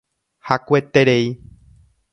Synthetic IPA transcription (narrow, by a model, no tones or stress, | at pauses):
hakʷet̪e̞ɾei